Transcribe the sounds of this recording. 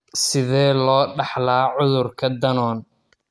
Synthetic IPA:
sɪðɛːlɔːɖɑħlaːʕʊðʊrkʰɐd̪ɐnɔːn

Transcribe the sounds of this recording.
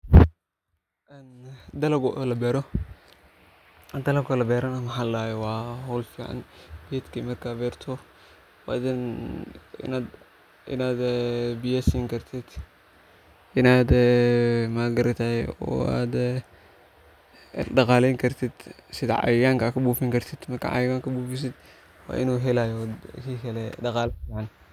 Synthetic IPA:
ɛnd̪ɐlɐɡɔʔlɐbɛːɾɔ | d̪ɐlɐɡɔlɐbɛːɾɐnɐmɐħaːlaːjɛwɑːhɔwlfiːʕɑ̰nb̥ɪt̪kʰimɐrkʰaːbɛːrt̪ʰɔ | wɑ̰d̪n | ɪ̰nad̪ | ɪ̰naːd̪bɪjaːsiːŋkʰɐrt̪ʰɪd̪̥ | ɪnaːd̪ | maːɡɐɾɐt̪ʰajɔ̰a̰d̪ | ɖɐqaːlɛŋkʰɐɾt̪ʰɪd̪sɪd̪ɐʕa̰jɪɡaːŋkakʰɐbuːfɪŋkɐɾt̪ʰɪd̪mɐrkɐ̰ʕa̰jɡaŋkɐbuːfɪs̬ɪd̪ | wa̰ːʔɪnuːɦɛlajɔkiːkʰɐlɛɖɐqaːlfiːʕan

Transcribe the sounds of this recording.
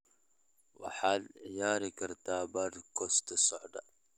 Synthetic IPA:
wa̰ħaljaːɾikəɾt̪abadkost̪əsɔʕda

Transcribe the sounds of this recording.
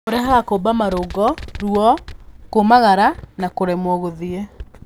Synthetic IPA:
oɾɛɦaɣakobamaɾoɡɔɾuɔkomaɣaɾanakoɾɛmwɔɣoðie

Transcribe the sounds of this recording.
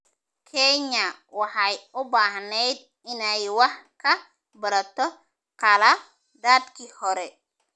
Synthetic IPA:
kʰɛɲɐwɑħɑjʊbaːɦnɛjd̪̚ | ɪnɛjwɑħkʰɐ | bɐɾɐt̪ʰɔ | qɐlɐ | d̪aːd̪kʰihɔɾɛ

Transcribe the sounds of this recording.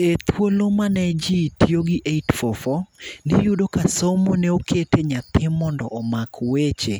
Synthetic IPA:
et̪wolomanɛd͡ʒitioɡɪʔeitfɔfɔnɪjudokasomonɛokʰeteɲat̪ɪmːɔndɔ̰ʔɔmakʰwet͡ʃe

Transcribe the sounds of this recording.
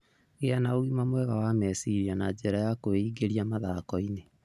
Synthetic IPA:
ɣeanaoɣimamwɛβawamɛsiɾianad͡ʑɛɾajakoeiɡeɾiamaðakɔine

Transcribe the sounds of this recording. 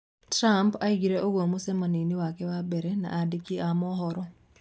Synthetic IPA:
tɾampaiɡiɾeʔoɡwomusɛmaniniwakɛwabɛɾɛna̰ʔadikiamɔɦɔɾɔ

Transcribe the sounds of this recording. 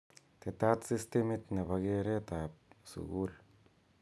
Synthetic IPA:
t̪ʰet̪at̪sist̪ʰemit̪nepaɣeɾet̪apsṵɣuːɮ

